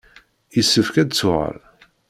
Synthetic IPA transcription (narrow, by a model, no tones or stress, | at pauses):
jəsːəfkæd̪t͡sːʊʁə̰ɾ